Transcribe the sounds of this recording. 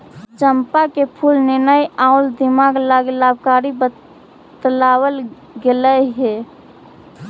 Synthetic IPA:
t͡ʃəmpakepʰulnɪnəjaʊld̪imaɡlaɡlabʱkaɾibə | t̪lawəl | ɡeləɦe

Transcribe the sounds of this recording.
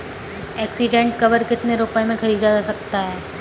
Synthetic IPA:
ɛːksɪɖẽɳʈ̚kɐʋəɾkɪt̪neɾoːpemẽxɐɾiːd̪ad͡ʒaːsɐk̚t̪aɦɛː

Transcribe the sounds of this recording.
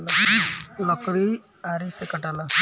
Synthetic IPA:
l | lɔkɾi | aɾisekəʈala

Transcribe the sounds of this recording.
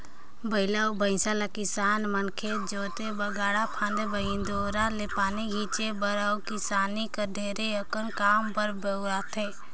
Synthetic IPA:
bəɪlaːubəɪ̃salakɪsaːnmənkʰed͡ʒoːt̪ebəɡaːɽapʰãːnd̪ebəɦĩnd̪oːɾalepaːniɡʱiːt͡ʃebəɾaːukɪsaːnikəɖʱeːɾeəkənkaːmpəɾbeʊat̪ʰeː

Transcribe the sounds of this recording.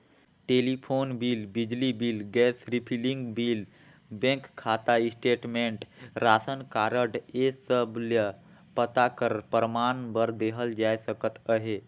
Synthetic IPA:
ʈelipʰonbilbid͡ʒlibilɡɛsɾipʰiliŋɡbil | bẽkkʰːat̪aisʈeʈmeɳʈɾasənkaɾəɖesəbljə | pət̪akəɾpəɾəmanbəɾd̪eɦəld͡ʒajsəkət̪əɦe

